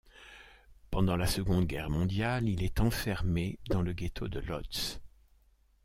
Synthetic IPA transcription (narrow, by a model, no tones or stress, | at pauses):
pɑ̃d̪ɑ̃lasəɡɔ̃d̪ɡʲɛʁmɔ̃d̪jalilɛt̪ɑ̃fɛʁmed̪ɑ̃ləɡet̪ʰod̪əlɔ̰t̪s